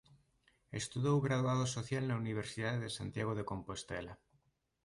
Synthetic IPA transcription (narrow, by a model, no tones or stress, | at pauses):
ḛst̪uðowɣɾaðwaðosoθjalnauniβ̞eɾsiðaðeðesant̪jaɣ̞oðeko̞mpost̪ela